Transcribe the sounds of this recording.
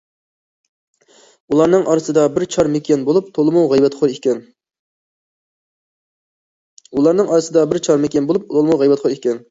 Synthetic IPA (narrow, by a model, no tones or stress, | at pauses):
ulˠɑɾnɨŋʔɑɾɨsɨd̪ɑbɪɾt͡ʃʰɑɾmekʲʰɛnbolˠup̚t̪ʰolˠɨmuwʁɛjbɛt̪χʰoɾekʲɛn | ulˠɑɾnɨŋʔɑɾɨsɨd̪ɑbɪɾt͡ʃʰɑɾmekʲɛnbolˠup̚lʰolˠmuwʁɛjbɛt̪χʰoɾekʲɛn